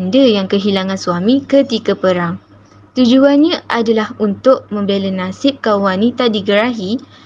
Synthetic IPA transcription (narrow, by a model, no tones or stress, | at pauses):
ndəjaŋkəɦilaŋãnsuamĩkət̪ikapəɾaŋ | t̪ud͡ʒuanɲãʔadalahunt̪ʊʔ̚mə̃mbelənasɪp̚kawanit̪adiɡəɾaɦi